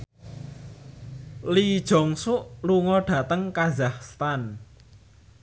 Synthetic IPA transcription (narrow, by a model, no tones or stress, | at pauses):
lid̥ʒ̥ɔ̤ŋsʊʔluŋɔɖ̥ä̤t̪əŋkazahst̪an